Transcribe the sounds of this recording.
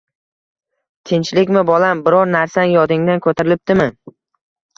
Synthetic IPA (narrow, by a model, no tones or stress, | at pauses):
t̪ʰɪnt͡ʃlɪkʲmɪbɒlˠambɪɾɒɾnaɾsanɪjɒd̪ɪŋd̪ankʰɵt̪ʰaɾɪlɪp̚d̪ɪmɪ